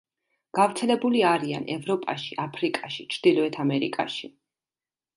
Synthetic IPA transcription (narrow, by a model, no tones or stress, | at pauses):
ɡ̥avɾt̪sʰɛlɛbuliaɾia̰nɛ̰vɾɔpʼa̰ʃiʔapʰɾikʼaʃi̥t͡ʃʰɾd̪̥ilˠɔɛt̪ʰamɛɾḭkʼa̰ʃi